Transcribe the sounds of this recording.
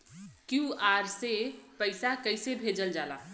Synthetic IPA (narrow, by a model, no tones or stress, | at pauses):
kjuaɾsepəɪsakəɪsebʱed͡ʒəld͡ʒala̰